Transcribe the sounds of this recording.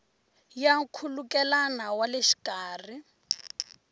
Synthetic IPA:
jakʰulukɛlanawaleʃi̥kaːr̤i

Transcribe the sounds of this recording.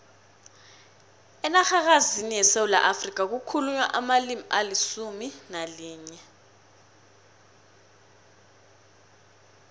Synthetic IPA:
ɛnaxak̬azinijɛsewula̰ʔafrik̬ʼak̬ukʰuluɲwa̰ʔamalimiʔalisuminaliːɲɛ

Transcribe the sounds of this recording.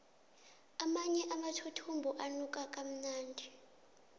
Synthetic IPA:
amaɲɛʔamatʰutʰumbʱuʔanukʼakʼam̩naːndʱi

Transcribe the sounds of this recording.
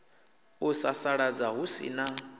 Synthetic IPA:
usasaɺad͡zaɦusḭna

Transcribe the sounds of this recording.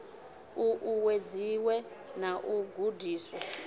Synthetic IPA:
uʔuwed͡ziwɛ | naʔuɡʱudʱiːswɔ

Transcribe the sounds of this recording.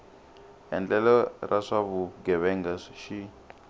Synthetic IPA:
ɛ̰nd͡ɮɛlɔrʔaʂaβuɡɛβɛŋɡasʃi

